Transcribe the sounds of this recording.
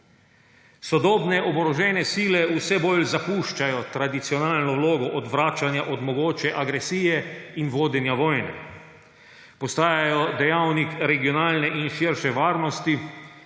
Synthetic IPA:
sɔd̪ɔːbnɛʔɔbɾɔʒɛːnɛsiːlɛusɛbolzapuːʃt͡ʃajɔt̪ɾad̪it̪siɔnaːlnɔwloːɡɔʔɔd̪ʋɾaːt͡ʃanjaʔɔd̪mɔɡoːt͡ʃɛʔaɡɾɛsiːjɛinʋoːd̪ɛnjaʋɔːjnɛ̰ | pɔst̪aːjajɔd̪ɛjawnikɾɛɡiɔnaːlnɛʔinʃiɾʃɛʋaːɾnɔst̪i

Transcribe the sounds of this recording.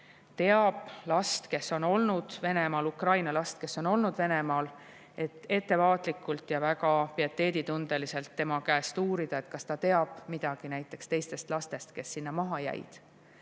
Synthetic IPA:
t̪e̞ɑb̥lɑst̪ke̞sːo̞no̞lnud̪̥ve̞ne̞mɑːlukrɑjnɑlɑst̪ke̞sːo̞no̞lnud̪̥ve̞ne̞mɑːl | e̞t̪ːˑe̞t̪ːe̞vɑːt̪ˑlikːˑult̪jɑvæɡɑpiɑt̪ːe̞ːd̪it̪und̪̥elise̞lt̪ːe̞mɑkæest̪uːɾid̪̥ɑe̞t̪kɑst̪ɑt̪e̞ɑb̥mid̪̥ɑɡ̥inæjt̪ːˑe̞kst̪e̞jst̪e̞st̪lɑst̪e̞st̪ke̞sːinːɑmɑɦɑjæ̰j̰d̪̥

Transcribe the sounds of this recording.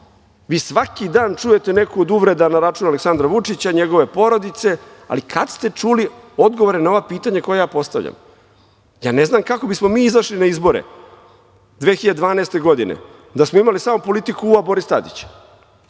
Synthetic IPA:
ʋiːsʋakid̪aːnt͡ʃuje̞t̪ene̞kuod̪uʋɾed̪anaɾat͡ʂunaleksand̪ɾaʋut͡ʂit͡ɕaɲeɡo̞ʋe̞po̞ɾo̞d̪it̪se̞a̰likʰad̪st̪e̞t͡ʂulio̞d̪ɡo̞ʋoɾenao̞ʋapiːt̪aɲako̞jejaːpo̞st̪a̰ʋʎa̰m | ja̰ːneznamkako̞bismo̞miːizaʃlinaizbo̞ɾḛ | d̪ʋeːxiʎad̪ed̪ʋaːneːst̪e̞ɡo̞d̪inḛ | d̪asmo̞imalisamo̞po̞lit̪ikuːabo̞ɾist̪a̰d̪ḭt͡ɕ

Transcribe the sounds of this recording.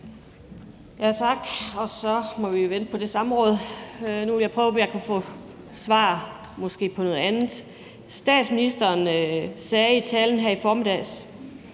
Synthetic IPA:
jæt͡sʰɑ̈ɡ̥ɒ̽sɒ̽mɒ̽ʋiʋend̥̚pʰɒ̽d̥e̝sɑ̈məʁɔ̽ːð̞ˠnuʋeljaɪpʰʁœːʊpʰɒ̽jɑkʰufɔ̰ː | sʋɑ̰̈ː | mɒ̽sɡ̥e̝̰ːpʰɒnɔ̽ð̞̩ˠænð̩ˠ | sd̥ɛ̰ːd̥sminisd̥ɐːnsɛːit͡sʰɛln̩ɦæɐ̰ifɒːmid̥ɛ̰ːs

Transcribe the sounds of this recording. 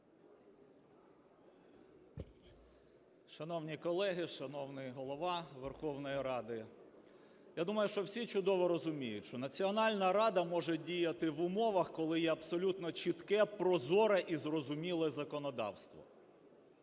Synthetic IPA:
ʃɐnɔwnʲikɔlˠɛɦɪʃɐnɔwnɪɦɔlˠɔʋɑʋerxɔwnɔjiɾɑd̪ɪ | jad̪umɐjʊʃt͡ʃɔwsʲit͡ʃʊd̪ɔʋɔɾɔzʊmʲijʊtʲʃt͡ʃɔnɐt͡sʲiɔnɑlʲnɐɾɑd̪ɐmɔʒɛdʲijɐt̪ɪʋʊmɔʋɐxkɔlˠɪjɛɐbsɔlʲut̪nɔt͡ʃit̪kɛpɾɔzɔɾɐʔizrɔzʊmʲilˠɛzɐkɔnɔd̪ɑ̰wst̪ʋɔ̰

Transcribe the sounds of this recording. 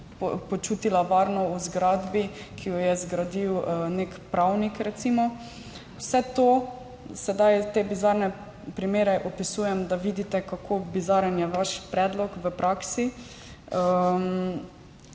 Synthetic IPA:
pɔt͡ʃuːt̪ilaʋaːɾnɔuzɡɾad̪bi | kʰijɔjɛzɡɾad̪iwnekpɾawnikɾɛt̪simɔ | wsɛt̪o | sɛd̪ajt̪ebizaɾnɛ | pɾimeːɾɛʔɔpisuːjɛmd̪aʋiːd̪it̪ɛkakʰobizaɾənjɛʋaʃpɾɛːd̪lɔkʋəpɾʔaksi | ə

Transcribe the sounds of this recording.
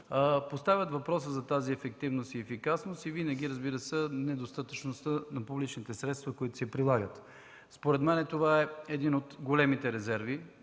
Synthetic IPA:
əpost̪avʲət̪vɐpɾɔs̬əzɐt̪aziɛfɛk̚t̪ivnost̪iɛfikasnost̪ivinɐɡ̟ʲiɾəzbiɾəsənɛd̪ost̪at̪ət͡ʃnost̪ənɐpublit͡ʃnit̪ɛsɾɛt̪st̪vəkoit̪ʊ̥sɛpɾilˠaɡət̪ | spoɾɛd̪mɛnɛt̪ovaɛɛd̪inot̪ɡolɛmit̪ɛɾɛzɛɾvi

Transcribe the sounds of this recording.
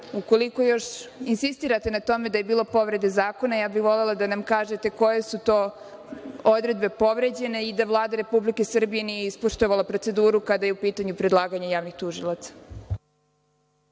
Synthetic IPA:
uko̞liko̞jo̞ʃinsist̪iːɾat̪e̞nat̪o̞me̞d̪aje̞biːlˠo̞po̞ʋɾe̞d̪ezaːko̞najaːbixʋo̞le̞lˠad̪anamkaːʒe̞t̪e̞ko̞jesut̪o̞ː | od̪ɾe̞d̪be̞po̞ʋɾe̞d͡ʑe̞ne̞id̪aʋlˠaːd̪aɾe̞publike̞sr̩bije̞nijeispoʃt̪oʋalˠapɾo̞t̪se̞d̪uːɾukad̪aje̞upiːt̪aɲupɾe̞d̪lˠaːɡaɲajaːʋnixt̪uʒilˠat̪sḁ

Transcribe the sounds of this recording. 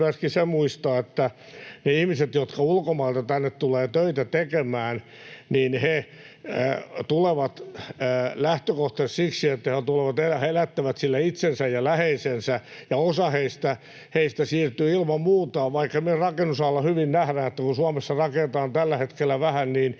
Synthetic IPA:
æskisemuist̪ɑːet̪ːæ | neihmiset̪jot̪kɑulkomɑilt̪ɑt̪ænːet̪t̪uleːt̪øit̪æt̪ekemæːn | niːnhḛ | t̪uleʋɑt̪ː | læht̪økoht̪essiksiet̪ːæheot̪uleʋɑt̪elæhelæt̪ːæʋæt̪silːæit̪sensæjjɑlæheisensæjɑosɑheist̪æ | heist̪æsiːrt̪yːilmɑmmuːt̪ɑːʋʋɑikːɑmierɑkenːusɑlːɑhyʋinnæhɾæːnet̪ːækunsuɑmesːɑrɑket̪ɑːnt̪ælːæhet̪kelːæʋæhænniːn

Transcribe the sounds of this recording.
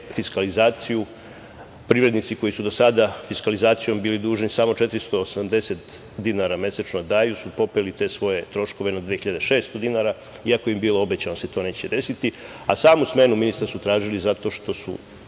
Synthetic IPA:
fiskalizaːt̪siju | pɾiʋɾe̞d̪nit̪siko̞jisud̪o̞sad̪afiskalizaːt̪sijo̞mbiːlid̪uːʒnisamo̞t͡ʃe̞t̪ɾist̪o̞ːsamd̪e̞se̞t̪ | d̪inaɾame̞set͡ʃnod̪aːjusupo̞pelit̪e̞sʋo̞je̞t̪ɾo̞ʃko̞ʋenad̪ʋiexiʎad̪eʃe̞ːst̪od̪inaɾa | iakoeimbiːlo̞obet͡ɕanoset̪o̞ːnet͡ɕt͡ɕe̞d̪e̞sit̪i | a̰saːmusme̞numinist̪aɾsut̪ɾaːʒilizat̪o̞ʃt̪o̞sṵ

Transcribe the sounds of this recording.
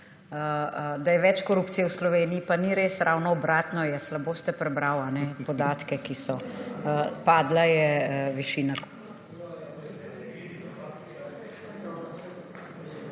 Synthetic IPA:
d̪ajɛʋɛt͡ʃkɔɾuːpt̪sijɛwslɔʋeːniːpaniɾeːsɾʔawnɔːbɾaːt̪nɔjɛslaboːst̪ɛpɾɛbɾawanɛpɔd̪aːt̪kɛkisɔ | paːd̪lajɛʋiʃiːna

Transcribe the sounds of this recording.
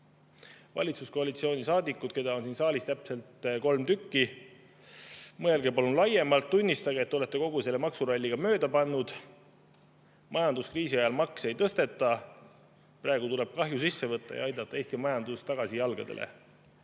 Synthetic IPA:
vɑ̰lʲit̪susko̞ɑlit̪sio̞ːnʲisɑːd̪ikːˑud̪̥̚ke̞d̪ɑo̞nsinsɑːlist̪æpse̞lt̪ko̞lmt̪ykːi | mɤelɡepolunlɑje̞mɑlt̪ːunʲːist̪ɑɡ̥et̪ːeo̞le̞t̪ːe̞ko̞ɡuse̞lːemɑksuɾolʲːiɡ̥ɑmøːd̪ɑpɑnːud̪̥ | mʔɑjɑnd̪uskriːsiɑjɑlmɑkse̞jt̪ɤst̪e̞t̪ːˑɑ | prɑe̞ɡ̥ut̪uleb̥̚kɑɦjus̬isːe̞vɤt̪ˑːɑ̰jɑ̰ɑjd̪ɑt̪ːˑɑeːst̪imɑjɑnd̪ust̪ɑɡ̥ɑsijɑlɡ̥ɑ̰d̪̥e̞̰lʔḛ

